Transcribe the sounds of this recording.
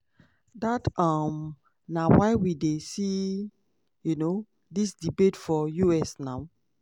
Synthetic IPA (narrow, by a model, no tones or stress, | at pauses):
datʌm | nawaɪwidesi | juno | disdibetfɔjuɛsnaʊ